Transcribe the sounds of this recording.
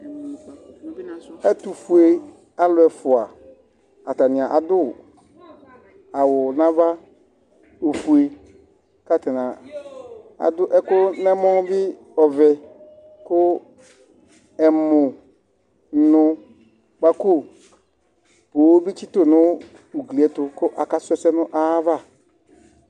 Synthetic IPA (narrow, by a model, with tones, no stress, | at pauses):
ɛ˦tʊ˨fu˨e˨ | a˦lʊ˨˦ɛ˨fʊ˨a˨ | a˨ta˨nɪ̃˨a˨ʔa˨dʊ˦ | a˨wʊ˨nã˦va˦ | o˨fu˨e˨ | ka˦tɪ˨nã˨ | a̰˨dʊ˦ʔɛ˦kʊ˦nɛ̃˦mɔ̃˦bɪ˦ | ɔ˨vɛ˨ | kʊ˦ | ɛ˨mʊ˨ | n̩˨˦nʊ˦ | ba˦kʊ˦ | poː˨˦bi˦t͡ʃi˦to˦˨nʊ̃˦ | u˨ɡli˨ɛ˨˦tʊ˨kʊ˦ʔa˨ka˦sʊ˦ɛ˦sɛ˦nʊ̃˦ʔa˦va˦˨